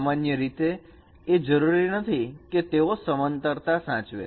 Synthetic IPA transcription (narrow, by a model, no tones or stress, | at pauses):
manjəɾit̪eː | d͡ʒəɾuɾinət̪ʰiket̪eosəmənt̪əɾt̪asãt͡ʃʋḛ